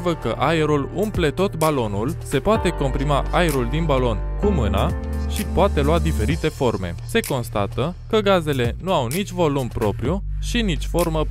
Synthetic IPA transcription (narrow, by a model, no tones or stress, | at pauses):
vəkəʔaeɾulumple̞t̪o̞t̪balo̞nulse̞poat̪e̞ko̞mpɾimaʔaeɾuld̪inbalo̞nkumɨnaʃipoat̪e̞lwad̪ife̞ɾit̪e̞fo̞rme̞̰se̞ko̞nst̪at̪əkəɡaze̞le̞nuawnit͡ʃʲvo̞lumpɾo̞pɾijuʃinit͡ʃʲfo̞rmə